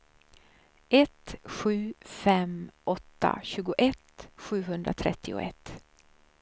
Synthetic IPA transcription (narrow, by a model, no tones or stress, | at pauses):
ʔɛt̪ɧʉ̟ːfɛmɔt̪ːa̰ɕʉ̟ːɡʊʔɛt̪ɧʉ̟ːɦɵnd̪ɾa̰t̪ʰɾɛt̪ʰːɪʊ̰ʔɛt̪ː